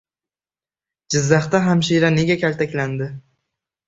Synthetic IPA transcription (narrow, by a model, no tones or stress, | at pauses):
d͡ʒɪzːaχt̪aɦamʃiɾane̞ɡʲakʲalt̪ʰakʲland̪ɪ